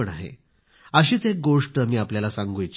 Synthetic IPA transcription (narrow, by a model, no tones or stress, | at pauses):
əɳaɦḛ | əɕiːt͡sɦek̚ɡoʂʈəmiːapljalasãŋɡujt͡ɕ